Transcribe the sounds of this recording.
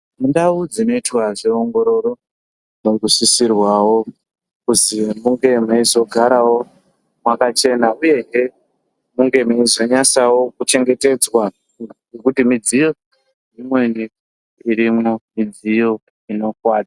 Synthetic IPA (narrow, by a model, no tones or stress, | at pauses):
mundaud͡zino̞itwaʐeoŋɡo̞ɾo̞ɾo̞ | nokusisirwawo̞ | kuzimuŋɡe̞maizo̞ɡʱaɾawo̞ | mwakat͡ʃe̞nauje̞ɦe | muŋɡe̞maizo̞ɲasawo̞kut͡ʃe̞ŋɡe̞te̞d͡zwa | ɡe̞kutimid͡zijo̞ | nimwe̞ni | iɾimomid͡zijo̞ | ino̞kwaːd͡za